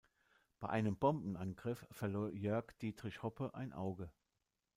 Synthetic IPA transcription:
b̥aɪʔaɪnəmbɔmbn̩ʔanɡʁɪfːɛɐloːɐjœɐkd̥iːtʁ̥ɪçhɔpʰəʔa̰ɪnʔa̰ʊɡə

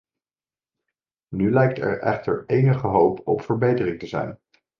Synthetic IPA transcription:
nylɛjk̚tɛ̰ɹɛ̰χtəɹejnəχəɦowpɔpfəɹbejtərɪŋtəzɛ̰jn

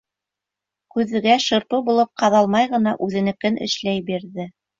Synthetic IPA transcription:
kʉðɘ̆ɡæʃɤ̆ɾt̪ubulˠɤp̚qɑðɑlˠmɑjʁɤ̆nɑʔʉðɘ̆nɘ̆kɘnɘ̰̆ʃlæjbiɾðɘ

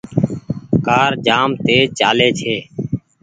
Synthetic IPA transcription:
kaːɾd͡ʒaːmt̪eːt͡ʃaːleːt͡ʃʰeː

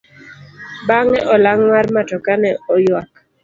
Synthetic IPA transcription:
baŋɛʔɔlaŋmarmatɔkanɛɔjwak̚

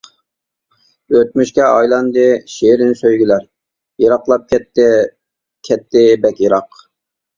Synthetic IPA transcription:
øt̪̚myʃkʲɛʔɑjlˠɑnd̪ɨʃeɾɪnɪsøjɡʲilæɾ | jɑɾɑqlˠɑp̚kʲʰɛt̪ː | kʲʰɛt̪ʰːɪbɛkʲjiɾɑq

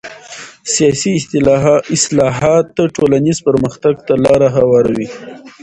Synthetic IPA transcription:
sijɑsiɪsɪslɑɦɑt̪ːaʈolanizpəɾməxt̪aɡt̪alɑɾaɦawɑɾawi

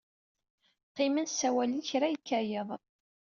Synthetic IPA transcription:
qːimænsːæwæliçɾæjikːæjəðˤ

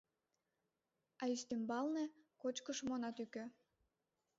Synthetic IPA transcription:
ɑist̪embɑlnekot͡ɕkəʃmonɑt̪ykø

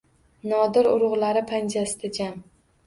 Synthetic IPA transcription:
nɒd̪ɪɾʊ̰ɾʊʁlaɾɪpʰand͡ʒasɪd̪̥ad͡ʒam

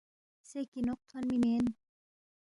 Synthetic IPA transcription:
sekinoqʰːanmimen

